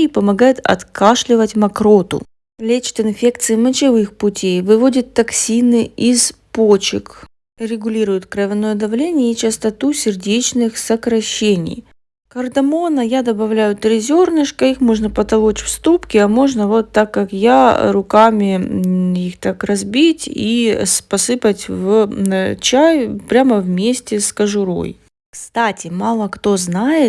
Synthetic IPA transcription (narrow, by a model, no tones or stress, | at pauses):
ipəmɐɡajɪt̪ɐ̰t̪kaʂlʲɪvətʲmɐkɾo̞t̪ʊ̰ | lʲet͡ɕɪ̥t̪ɪnfʲe̞kt̪sɨɪmət͡ɕɪvɨxpʊtʲejvɨvo̞dʲɪt̪ːɐksʲinɨizpot͡ɕɪ̰k | ɾʲɪɡʊlʲiɾʊjʊt̪kɾəvʲɪno̞jəd̪ɐvlʲenʲɪjəit͡ɕɪst̪ɐt̪usʲɪrdʲet͡ɕnɨxsəkɾɐɕːenʲɪ̰j | kərd̪ɐmo̞nəjad̪ɐbɐvlʲæjʊt̪ɾʲɪzʲo̞rnɨʂkəixmo̞ʐnəpət̪ɐlˠot͡ɕfst̪upkʲɪɐmo̞ʐnəvo̞t̪ːakːakjaɾʊkamʲɪ | ixt̪akrɐzbʲitʲispɐsɨpətʲv | t͡ɕajpɾʲaməvmʲesʲtʲɪskəʐʊɾo̞̰j | kst̪atʲɪmalˠəkt̪o̞znajɪt̪